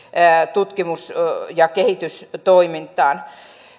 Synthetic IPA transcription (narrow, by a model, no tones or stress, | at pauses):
t̪ut̪kimusjɑkehit̪yst̪oimint̪ˑɑːn